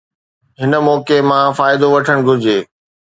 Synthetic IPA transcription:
ɦɪnə̆mɔːkemãfaːɪd̪oʋɐʈʰəɽ̃ɡʱʊɾɪd͡ʑeː

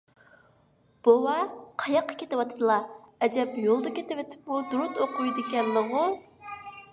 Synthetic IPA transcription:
b̥owɑqʰɑjɑqːɑ̥kʲʰet̪ɪwɑt̪ʰɨd̪ɨlˠɑɛd͡ʒɛpjolˠd̪ɨkʲet̪ɪwɪt̪ʰɪ̥pmud̪uɾʊt̪oqʰujd̪ɪkʲɛlːəʁʊ

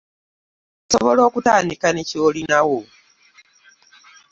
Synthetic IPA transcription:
soβolo̞ːkutaːnikaneciolinawo

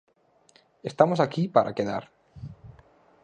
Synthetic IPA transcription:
est̪amosakipaɾʔa̰keða̰ɾ

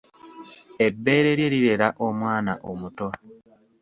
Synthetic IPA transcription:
e̞bːe̞ːɾe̞ɾjeɾiɾe̞ɾaʔo̞mwaːnaʔomuto

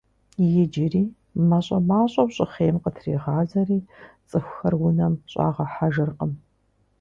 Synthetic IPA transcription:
jɪd͡ʒɪriː | mɐɕʼɐmaːɕʼɐwɕʼɪχeːmqətʰrḭːʁɑːzɐriːt͡sʼɨxʷxɐrwʊnɐmɕʼa̰ːʁɐħaʒɨrqəm

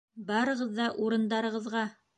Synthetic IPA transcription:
bɑɾɤ̆ʁɤ̆ðːɑʔuɾɤ̆nd̪ɑɾɤ̆ʁɤ̆ðʁɑ

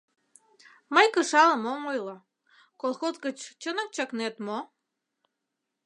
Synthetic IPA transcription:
məjkəʃɑləmomojlo | kolˠxozɣət͡ɕt͡ɕənə̆k̚t͡ɕɑknet̪mo

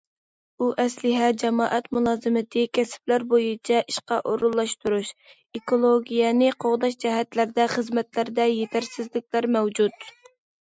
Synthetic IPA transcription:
uʔɛslɪɦɛd͡ʒɛmɑːʔɛt̪mulˠɑːzɨmɪt̪ʰɪkʲʰɛsɪ̥plæɾbojɨt͡ʃʰɛʔiʃqɑʔoɾulˠːɑʃt̪uɾuʃ | ekolˠoɡʲijɛnɪqʰoʁd̪ɑʃd͡ʒɛɦɛt̪læɾd̪ɛχəzmɛt̪læɾd̪ɛjet̪ʰæɾsɪzlɪkʲlæɾmɛwd͡ʒut̪

